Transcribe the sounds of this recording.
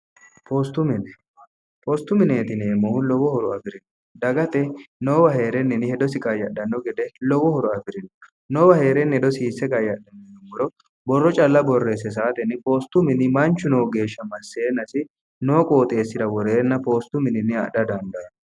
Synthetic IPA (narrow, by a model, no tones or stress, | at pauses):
pʰoːst̪ʊmɪnɛ | poːst̪ʊmɪneːt̪ɪneːmːɔhʊlɔwɔhɔɾɔɐfɪɾɪnɔ | d̪ɐɡɐt̪ɛnoːwɐhe̞ːɾɛnːɪnɪhɛd̪ɔsɪkʼɐjɐɗːɐnːɔɡɛd̪ɛlɔwɔhɔɾɔɐfɪɾɪnɔ | noːwɐhe̞ːɾɛnːɛd̪ɔsiːsːɛkɐjɐɗɐnːɔnɔmɡɔɾɔ | bɔrːɔt͡ʃʼɐlːɐbɔrːeːs̬ːɛs̬aːt̪ɛnɪpo̞ːst̪ʊmɪnɪmɐnt͡ʃːʊnoːɡe̞ːʃːɐmɐsːeːnɐsɪ | noːkʼo̞ːt̪ʼe̞ːsːɪd̪ɐwɔɾeːnːɐpo̞ːst̪ʊmɪnɪnːɪɐ̰ɗɐd̪ɐnd̪ɐn